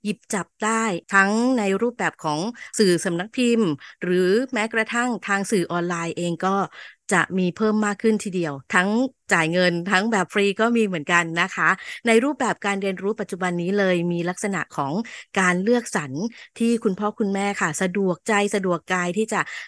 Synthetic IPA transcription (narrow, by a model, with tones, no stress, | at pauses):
ji˨˩p̚t͡ɕa˨˩p̚daː˥˩jt̪ʰa˦˥ŋna˧jɾuː˥˩p̚bɛː˨˩p̚kʰɔː˩˦ŋsɯː˨˩sa˩˦mna˧˦˥k̚pʰi˧mɾɯː˩˦mɛː˦˥kɾa˧t̪ʰa˥˩ŋt̪ʰaː˧ŋsɯː˨˩ʔɔː˧nlaː˧jʔeː˧ŋkɔː˥˩t͡ɕa˨˩ʔmiː˧pʰɤː˥˩mːaː˥˩kʰːɯ˥˩nt̪ʰiː˥˩di˧əwt̪ʰa˦˥ŋt͡ɕaː˨˩jŋɤ˧nt̪ʰa˦˥ŋbɛː˨˩p̚fɾiː˧kɔː˥˩miː˧mɯ˩˦ənka˧nːa˦˥kʰa˦˥na˧jɾuː˥˩p̚bɛː˨˩p̚kaː˧nɾi˧ənɾuː˦˥pa˨˩t̪̚t͡ɕu˨˩ba˧nːiː˦˥lɤː˧jmiː˧la˦˥k̚sa˧na̰˨˩ʔkʰɔː˩˦ŋkaː˧nlɯ˥˩ək̚sa˩˦nt̪ʰiː˥˩kʰu˧npʰɔː˥˩kʰu˧nmɛː˥˩kʰa˥˩sa˧du˨˩ək̚t͡ɕa˧jsa˧du˨˩əkːaː˧jt̪ʰiː˥˩t͡ɕa˨˩ʔ